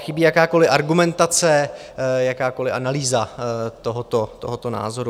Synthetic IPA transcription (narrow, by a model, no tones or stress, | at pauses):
xɪbiːjakaːko̞lɪʔaɾɡumɛnt̪at͡sɛjakaːko̞lɪʔanaliːzat̪oɦot̪o̞t̪o̞̰ɦot̪o̞na̰ːzo̞ɾu